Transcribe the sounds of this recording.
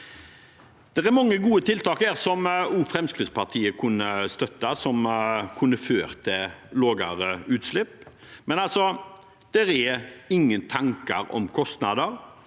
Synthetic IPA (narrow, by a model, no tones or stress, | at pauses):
d̪̥ɛʁæɾmɑŋːəɡuːət̪ʰɪlt̪ʰɑːkhæːʁsɔmuːfɾɛmskʁɪt̪spʰɑt̪ʰiːəkʰʉnːəst̪œt̪ːɑsɔmkʰʉnːəføːɾt̪ʰɪloːɡɑ̰ɾəʉːt̪slɪpː | mɛnɑlsɔ | d̪̥ɛɾɛɪŋːənt̪ʰɑŋkɑ̰ɾɔ̰mkʰɔst̪nɑd̪əɾ